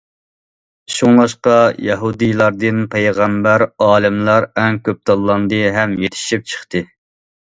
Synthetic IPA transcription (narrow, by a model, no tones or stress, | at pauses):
ʃuŋlˠɑʃqɑjɑɦud̪ijlˠɑɾd̪ɨnpʰejʁæmbæɾɑːlˠɪmlˠɑɾɛŋkʲʰøp̚t̪ʰɑlˠːɑnd̪ɨɦɛmjet̪ʰɪ̥ʃip̚t͡ʃʰə̥χt̪ɨ